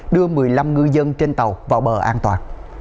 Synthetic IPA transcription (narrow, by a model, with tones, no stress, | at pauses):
ɗɨ˧əmɨ˨˩əjla˧mŋɨ˧jzə˧nt͡ɕe˧nt̪ə˨˩wvaː˨˩wɓəː˨˩ʔaː˧nt̪wa̰ː˨˩n